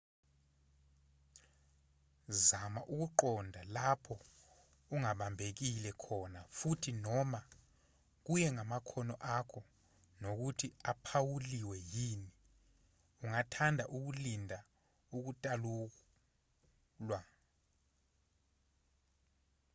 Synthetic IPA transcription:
zamaʔuk̬uǃɔndʱalapʰɔ | uŋaɓambʱek̬ilɛkʰɔnafutʰinɔma | k̬ujɛŋamakʰɔnɔʔakʰɔ | nok̬utʰiapʰawuliwɛjiːni | uŋatʰandʱaʔuk̬ulindʱa | uk̬utʼalu | lwa

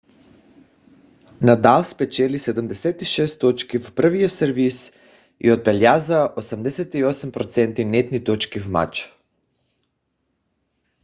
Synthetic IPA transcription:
nad̪alˠspɛt͡ʃɛlisɛd̪umd̪ɛsɛt̪iʃɛst̪ːot͡ʃkivpr̩vijosəɾvis | ḭod̪̚bɛlʲjazaʔosamd̪ɛsɛt̪iosmpɾɔt̪sɛnt̪inɛt̪nit̪ot͡ʃkivma̰t͡ʃ

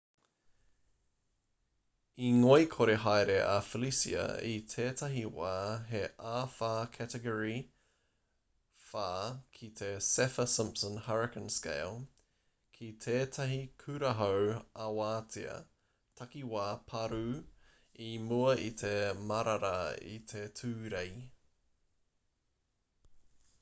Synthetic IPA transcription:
iŋoijkʰoɾeɦajɾeʔɐfəlisḭɐ̰itʰeːt̪ʰɐɦiwaːɦeʔaːfaːkʰætəɡoɹi | faːkʰit̪ʰesɛfəsɪ̃mpsə̃nhɐɹɪkə̃nskḛjlˠ | kʰit̪ʰeːtʰɐɦikʰʉɾɐɦowɐwaːtʰiɐ̰ | t̪ʰɐkiwaːpʰɐɾu | imuɐʔit̪ʰemɐɾɐɾɐḭt̪ʰetʰʉːɾej

